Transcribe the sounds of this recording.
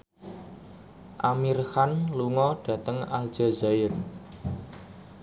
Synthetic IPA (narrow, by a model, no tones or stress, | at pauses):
ʔamirhanluŋɔɖ̥ä̤t̪əŋald̥ʒ̥a̤zaɪr